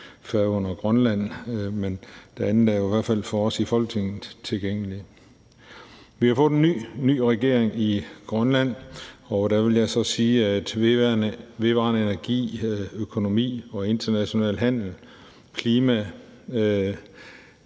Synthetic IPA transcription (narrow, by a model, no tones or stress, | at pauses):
fæɔ̽n̰ɐɡ̥ʁɶnlæn̰mend̥eænð̩ˠd̥æɐjoiʋæɐ̰̥fæl̰fɒɒ̽sifɒ̽lɡ̥̚ne̝ŋn̩t͡sʰe̝lɡ̥eŋ̰əli | ʋihɑ̈fɔ̽ːðˠenːy̰ːny̰ːʁɛɡ̥e̝ɐ̰eŋiɡ̥ʁɶnlæn̰ɒd̥æʋe̝ljɑ̈ɪsɒ̽siːæd̥ʋenʋe̝ʋɑ̰̈ːnəe̝næɐɡ̥ḭːøkʰo̝no̝mḭːɒ̽e̝nd̥ɐnæɕo̝nɛ̰ːlɦæn̰l̩ | kʰliːmæ